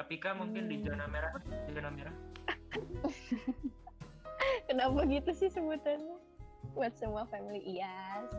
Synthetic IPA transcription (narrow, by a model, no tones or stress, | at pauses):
kəpikamuŋkɪndid͡ʒonameɾad͡ʒd͡ʒonameɾa | kənapaɡit̪usɪhsəbut̪anɛ | buat̪̚səmuafɛmiliʔːas